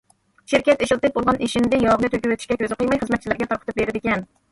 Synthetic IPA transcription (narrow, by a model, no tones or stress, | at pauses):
ʃiɾkʲɛt̪eʃɪlˠt̪ɨp̚bolˠʁɑneʃind̪ɪjɑbnɨt̪ʰøkʲywøt̪ʰɪ̥ʃkʲɛkʲʰøzɨqəjmɑjχəzmɛt̪̚t͡ʃʰlæɾɡʲɛt̪ʰɑɾqʰət̪ʰɨp̚beɾɪd̪ɪkʲɛn